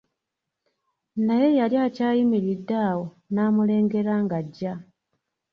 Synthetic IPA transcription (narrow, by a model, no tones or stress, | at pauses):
naje̞jaljaːcaːjimiɾidːaːwo̞ | naːmule̞ːŋɡe̞ɾaːŋɡaɟːa